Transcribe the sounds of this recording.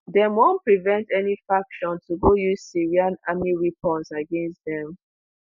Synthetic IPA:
dɛ̃mwɔ̃npɹivɛ̃ntɛnifɹakʃɔ̃ntuɡojuz̥siɹiãnamiɹipɔ̃nsaɡɛ̃nstdɛ̃m

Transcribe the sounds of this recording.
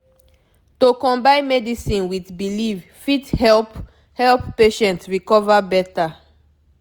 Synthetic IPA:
tokɔ̃mbãɪ̃nmɛdisĩnwitbiliv | fithɛlp | hɛlpːeʃɛ̃ntɹikɔvabɛta

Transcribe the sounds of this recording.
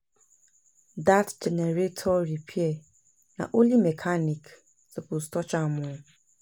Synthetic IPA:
datd͡ʒɛnɛɾetʰɔɾipʰiɛ | nã̰ʔolimɛkʰanĩk | sɛpʰostʰɔt͡ɕʰãmʊ̃

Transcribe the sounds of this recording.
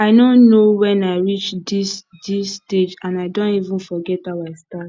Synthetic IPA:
aɪdõnnːowɛ̃naɪɹit͡ʃdisdisːted͡ʒãnaɪdõnivũnfɔɡɛtaaɪstat

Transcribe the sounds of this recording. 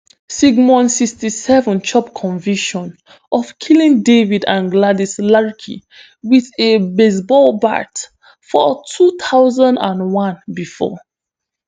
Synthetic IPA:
siɡmɔ̃nsikstisɛvɔ̃nt͡ʃʰɔpkʰɔ̃nviʃɔ̃n | ʔɔfkʰilĩŋdevidã̰nɡladislaɹkʰḭ | wiðebes̬bɔlba̰t | fɔtʰut̪ʰaʊzãndã̰nwãnbifɔ̰

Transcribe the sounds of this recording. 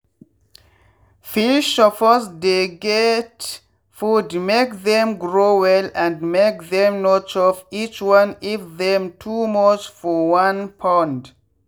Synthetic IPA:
fiʃɔfɔsdeɡɛt | fudmek̚ðɛ̃mɡɹowɛlɛ̃ndmekðɛ̃mnot͡ʃɔvit͡ʃwãnifðɛ̃mtʰumɔt͡ʃfɔwãnpʰãnd

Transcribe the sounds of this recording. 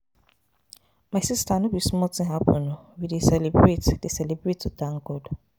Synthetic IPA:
masistanʊ̃bismɔtĩɦapo̰nowidesɛlebɾetdesɛlebɾetːudãŋ̩ɡɔd

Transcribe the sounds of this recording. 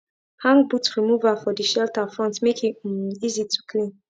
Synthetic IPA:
hãŋbutɹimuvəfɔdiʃɛltəfɹɔ̃ntmekĩmizitʰu̥kʰlĩn

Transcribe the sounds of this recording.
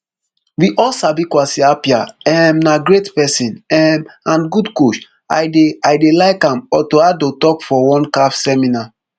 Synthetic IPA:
wiʔɔsabikwasiapiaɛmnaɡɾetpɛsĩnɛmãnɡudkoʃ | a̰ɪdeaɪdelaɪkãmɔtoadotɔkfɔwɔ̃nkafsɛmina

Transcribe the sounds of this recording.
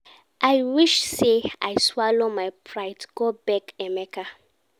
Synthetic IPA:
ʔajwiʃsea̰jswalomajpʰɹaɪtɡ̥obɛkɛmɛka

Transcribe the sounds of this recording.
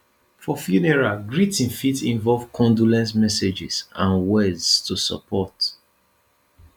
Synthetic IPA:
fɔfjunɛɹaɡɹitĩnfitĩɱvɔlvkʰɔ̃ndulɛ̃ntmɛsed͡ʒḭsãnwɛdztʰusə̰pʰɔt

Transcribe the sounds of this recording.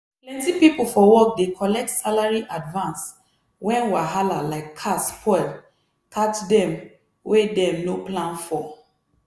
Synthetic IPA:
plɛ̃ntipipl̩fɔwɔk̚dekʰɔlɛk̚tsalaɹiʔadvãns | wɛ̃nwaɦalalaɪkʰːaspʰɔɪl | katdɛ̃m | wedɛ̃mnoplãnfɔ

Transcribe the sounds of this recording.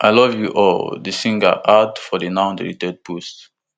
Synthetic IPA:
ʔajlɔvjuʔɔldəsĩŋɡə̰ʔadfɔdənãʊ̃dḭlitɛd̚pust

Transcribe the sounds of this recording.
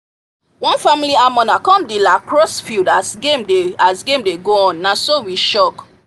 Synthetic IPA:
wɔ̃nfamiliamɔ̃nakɔ̃mdilakɹɔsfildasɡemdeasɡẽmdeɡoɔ̃nːasowiʃɔk

